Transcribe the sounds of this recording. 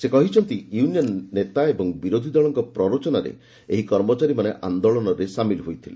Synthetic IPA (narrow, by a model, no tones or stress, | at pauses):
sekɔɦit͡ʃʰɔnt̪ijunijɔnːet̪aebɔŋbiɾod̪ʱid̪ɔɭɔŋkɔpɾɔɾot͡ʃɔnaɾḛ | eɦikɔɾmɔt͡ʃaɾimaneʔa̰nd̪oɭɔnɔɾesamilɦojt̪ʰile